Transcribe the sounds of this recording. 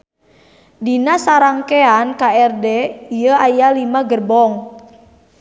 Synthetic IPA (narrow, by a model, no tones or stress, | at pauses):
dinasaɾaŋkeankaɛrdɛiəajalimaɡərbɔŋ